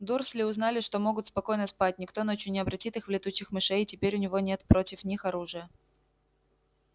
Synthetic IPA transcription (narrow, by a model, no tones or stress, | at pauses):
d̪urslʲɪʊznalʲɪʂt̪o̞mo̞ɡʊt̪spɐko̞jnəspat̚ʲnʲɪkt̪o̞not͡ɕjʊnʲɪɐbɾɐtʲit̪ɨxvlʲɪt̪uɕːɪxmɨʂɛejtʲɪpʲeɾʲʊnʲɪvo̞nʲe̞t̪pɾo̞tʲɪfnʲixɐɾuʐɨjə